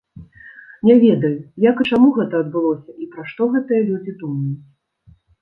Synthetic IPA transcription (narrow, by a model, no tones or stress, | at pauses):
nʲɛvʲɛd̪ɐjujakɨt͡ʂamuɣɛt̪ɐːd̪̚bɨlˠɔsʲɐʔipɾaʂt̪ɔɣɛt̪ɨjɐlʲud͡zʲid̪umɐjut͡sʲ